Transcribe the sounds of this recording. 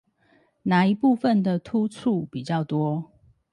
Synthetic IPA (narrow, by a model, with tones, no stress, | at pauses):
na˨˩i˧˦pu˥˨fə˨nd̪ə˨t̪ʰu˦t͡sʰu˥˨pi˨˩t͡ɕjɑ˥˨ʊt̪wɔ˦